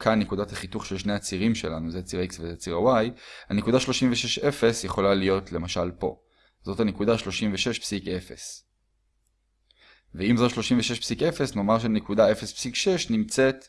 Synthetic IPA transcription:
kʰanːekudathaχituχʃelʃneat͡siʁimʃe̞lanuzet͡siʁaiksvezet͡siʁawajanekudaʃlo̞ʃimveʃeʃe̞fe̞sjeχo̞lalijo̞tle̞maʃalpo̞̰ | zo̞thanekudaʃlo̞ʃimveʃe̞ʃpsike̞fe̞̰s | veimzoʃlo̞ʃimveʃe̞ʃpsike̞fesno̞maʁʃ̬enekudaefe̞spsikʃe̞ʃnimt͡se̞t

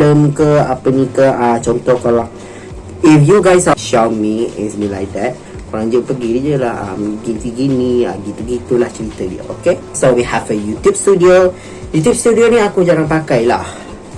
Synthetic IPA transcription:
ləmkəapənikəʔat͡ʃɔnt̪ɔhkalaŋ | ifjuɡajsaʃawnmiɛ̰̃nsmilajk̚d̪ɛt̚ | kɔɾãŋd͡ʒʊpəɡidid͡ʒulaha̰mɡitiɡinia̰ɡip̪əɡit̪ulaht͡ʃəɾit̪ədiə̰ʔokesowihɛvəjut̪jup̚st̪udio | jut̪jup̚st̪udioniakud͡ʒaŋanpakajla̰h

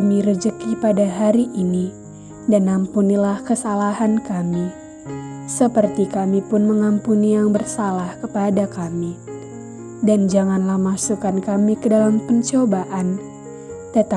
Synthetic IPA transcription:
miɾəd͡ʒəkipadaɦaɾiʔini | danampunilahkəsalaɦankami | səpərt̪ikamipʊnməŋampunijaŋbərsalahkəpadakami | dand͡ʒaŋanlahmasukankamikədalampəɲt͡ʃobaʔan | t̪ət̪a

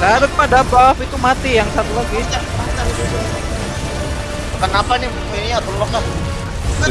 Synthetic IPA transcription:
ɡaɾʊt̪̚padabafit̪umat̪ijaŋsat̪ulaɡi | kənapanimumiɲat̪ɔlɔkan

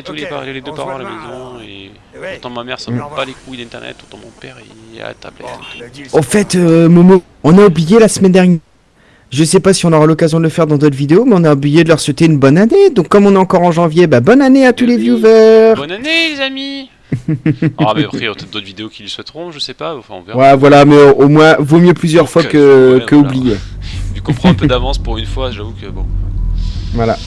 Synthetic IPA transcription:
t̪ulepa̰ʁilaled̪øpaʁɑ̃alamezɔ̃e | pɔʁt̪ɑ̃mamɛʁsɔpalekʰuid̪ɛ̃t̪ɛʁnɛ̰t̪ɔʁt̪ɑ̃mɔ̰̃pɛʁe | a̰a̰t̪a̰blɛ̰t̪ɑ̃fɛt̪ømɔmo | ɔ̃naublijelasmɛnd̪ɛʁɲjɛ | ʒəsɛpasiɔ̃nɔʁalɔkazjɔ̃d̪ələfɛʁd̪ɑ̃d̪ot̪ʰvid̪eomɛɔ̃naublijed̪əlœʁswet̪eynbɔnaned̪ɔ̃kːɔmɔ̃nɛɑ̃kɔʁɑ̃ʒɑ̃vjebabɔnaneat̪ulevjuvœʁzami | mɛpχit̪ɛd̪ot̪vid̪eokʲilwiswɛt̪ʁɔ̃ʒəsɛpaɑ̃fɛ̰̃ɔ̰̃vwavwalamɛʔomwɛ̃vomjøplyzjœʁfwakəkəublijed̪ykũpχɛ̃pød̪avɑ̃spuʁynfwaʒavukəbɔ̰̃ | vwala̰

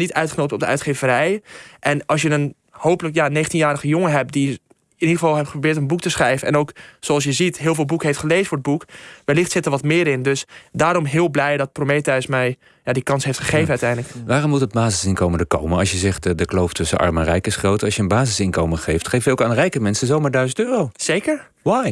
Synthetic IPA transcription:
nitœɥtχənowtɔp̚dəœ̰ɥtχeːvəɾɛjʔɛnɑlsjənən | howpələkjaneːχəntinjaːɾəχəjʊŋəɦɛp̚di | ɪnidəχəvɑlˠɦɛptχəprobɪːtənbuk̚təsχrɛjvənɛ̰nowksoɑlˠs̬jəzitɦɪːlˠvɪːlˠbukəɦejftχəlejzəfʊːɹəd̚bukʋɛlɪχtsɪtəɹʋɔtmɪːɾɪndøsdaːɾɔmɦɪːlˠblɛjdɔt̚promeːtɛjsmɛj | jadikɑnsɦejftχəχejvənœtɛjndləkʋaːrɔmːutəd̚baːzɪsɪnkowməndəko̰wmənɑlˠsjəzɛχtdəklowftɵsənɑ̰ɹmɛnrɛjkɪsχrowtɑsjənbaːzɪsɪnkowməχejftχejftɛlkaːnrɛjkəmɛnsəzowmaːɹdœɥzəntøːrowz̥ejkəɹ | waj

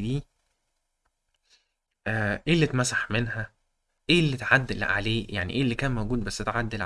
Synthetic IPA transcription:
d̪iː | ʔeːlːit̪mæsaħmenɦæ | ʔeːlːit̪ʕad̪ːelʕa̰leːjaʕnḭʔeːlːikæːnmowɡuːd̪̚bæsːet̪ʕad̪ːelʕ

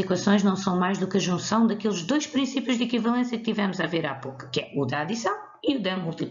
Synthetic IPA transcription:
ikwɐsõj̃ʒnɐ̃w̃sɐ̃w̃majʒðukɐʒũsɐ̃w̃d̪ɐkelˠʒd̪ojʃpɾĩsipjuʒd̪ikivɐlˠẽsjɐk̚t̪ivɛmuzaveɾa̰poku̥kɛud̪ɐaðisɐ̃w̃ | iuðɐmulˠt̪i

